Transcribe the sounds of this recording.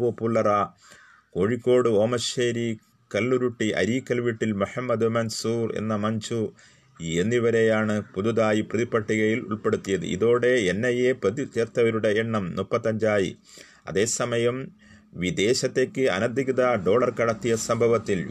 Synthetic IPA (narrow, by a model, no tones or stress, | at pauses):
oːpulːɐra | ko̞ːɻikːo̞ːɽɨo̞ːmɐɕeːɾi | kɐlːuɾuʈːiʔɐ̰ɾiːkːɐlʋiʈːilmuħɐmːɐd̪ɨmɐnsuːrḛnːɐmɐɲt͡ɕu | enːiʋɐɾejaːɳɨpud̪uðaːjiprɐðipːɐʈːiɣɐjilṵɭpe̞ɽut̪ːijɐðɨ̰ʔḭðo̞ːɽe̞enːɐjeprɐðit͡ɕɐrt̪ːɐʋɐɾuɽe̞eɳːɐmnupːɐt̪ːɐɲd͡ʑaːjḭ | ɐ̰ðe̞ːsɐmɐjɐm | ʋid̪e̞ːɕɐt̪ːe̞ːkʲːɨɐ̰nɐd̪ʱiɣɐðɐɖo̞ːɭɐrkɐɽɐt̪ːijɐsɐmbʱɐʋɐt̪ːil